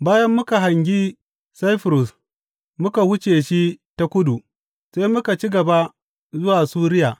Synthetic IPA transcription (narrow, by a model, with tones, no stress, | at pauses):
baː˦jɐ˦mːʊ˦ka˨ɦa˨ŋɡʲi˦ | sa˦jɸɾʊ˨s | mʊ˦ka˨hʊ˦t͡ʃeː˨ʃi˦ta˦kʷʊ˦du˨ | se˦mʊ˦ka˨t͡ʃi˦ɡɐ˨ba˦ | zʊ˦waː˨suː˦ɾɪ˦jaː˨